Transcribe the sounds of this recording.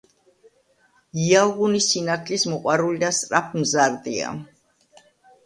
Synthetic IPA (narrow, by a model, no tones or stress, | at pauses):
iaɣunisinat̪ʰlismɔqʼwaɾulid̪ast̪ʼɾapʰmzaɾd̪ia̰